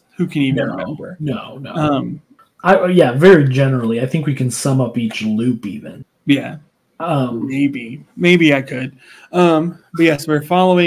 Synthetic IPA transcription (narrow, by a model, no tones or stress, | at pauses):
hʉkʰɨ̃ñivɨ̃o̰ʊvə̰˞noʊno̰ʌ̃m | ʔaɪjævɛɹid͡ʒɛnə˞l̩ˠiaɪθɪ̃ŋkwikʰɨ̃nsʌ̃mʌpit͡ʃlʉpḭvɨ̰̃n | jæ̰ | ʌ̃mːeɪbimeɪbiaɪkʰɨd̥̚ | ʌ̃mbʌt̚jɛswi˞fɑlˠoʊɪ̃